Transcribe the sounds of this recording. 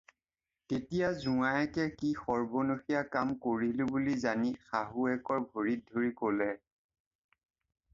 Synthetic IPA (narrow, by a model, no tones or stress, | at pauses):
tetijazuajɛkɛkixɔɹbonoxijakamkoɹilʊbulizanixaɦuɛkɔɹbʱoɹit̚dʱoɹikolɛ